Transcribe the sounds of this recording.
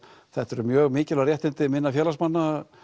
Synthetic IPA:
θɛht̪ɛɾʏmjœːɣmɪːcɪlarjɛht̪ɪnt̪ɪmɪnːafjɛːlasmanːa

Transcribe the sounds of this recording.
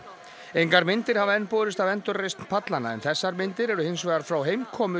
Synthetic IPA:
ejŋkaɾmɪnt̪ɪɾ̥havaɛnpoːðɾɪst̪avɛnt̪ʏɾːejst̪n̥pʰat̪lanaɛ̰nθɛsːaɾmɪnt̪ɪɾɛɾʏhejnsvɛːɣaɾfɾawɦeːjmkʰɔːmʏ

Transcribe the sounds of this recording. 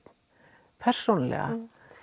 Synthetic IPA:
pʰɛr̥sownalɛ̰ɣa̰

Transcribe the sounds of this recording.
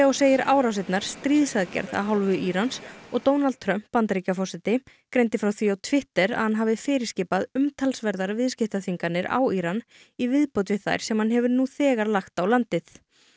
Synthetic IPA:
ɔwseːjɪɾa̰ːwɾawsɪt̪naɾ̥st̪ɾiːðsaðcɛ̰ɾða̰ðɦawlvʏʔiːɾansɔɣt̪oːwnalt̪̚t̪ʰɾœm̥pːant̪ɾicafɔsɛt̪ɪ | kɾejnt̪ɪfɾawθviawt̪ʰvɪht̪ɛɾa̰hanɦaːvɪfɪːɾɪ̥ɾ̥scɪːpaðʏmt̪ʰalsvɛɾðaɾvɪðscɪft̪aθiŋkanɪɾa̰wiːɾan | ivɪðpowt̪vɪθa̰jɾ̥sɛmhanɦɛvʏɾnuθɛːɣaɾlaxt̪awlant̪ɪθ

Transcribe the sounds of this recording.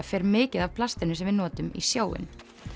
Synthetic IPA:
fɛːɾmɪːcɪðav̥pʰlast̪ɪnʏsɛmvɪðnɔːt̪ʏmḭsjoːwɪ̰n

